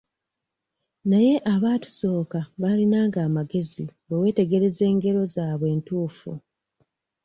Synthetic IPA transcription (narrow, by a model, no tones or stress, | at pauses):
naje̞ʔaβaːtu̥so̞ːkaβalinaːŋɡaːmaɡe̞ziβewe̞ːte̞ɡe̞ɾe̞ze̞ːŋɡe̞ɾo̞zaːβwe̞ːntuːfṵ